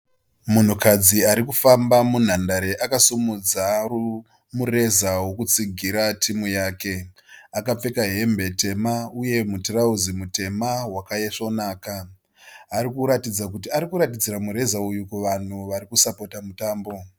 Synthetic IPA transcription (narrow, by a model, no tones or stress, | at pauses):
mun̤ukad͡ziaɾikufambamun̤andaɾe̞ʔakasumud͡zau | mure̞zawo̞kut͡siɡʱiɾatʰimujaːke̞ | akap͡fe̞kaɦe̞mbe̞te̞mauje̞mutirauzimute̞mawakajeʂo̞naːkaː | ɾikuɾatid͡zak̬ut̬iaɾikuɾatid͡ziramuɾe̞zaujukuʋan̤uʋaɾikusapo̞tamutaːmbo̞